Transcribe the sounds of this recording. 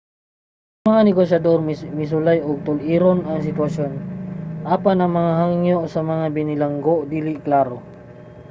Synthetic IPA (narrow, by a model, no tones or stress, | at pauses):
ɐŋmɐŋanɪɡoʃɐd̪oɾmmɪs̬ʊlajʔoɡ̚t̪ʊlʔiːɾonɐŋs̬ɪt̪wɐʃjonʔaːpanɐŋmɐŋaɦaŋjoʔsɐmɐŋabɪnɪlɐŋɡoʔd̪iːlɪʔklaːɾo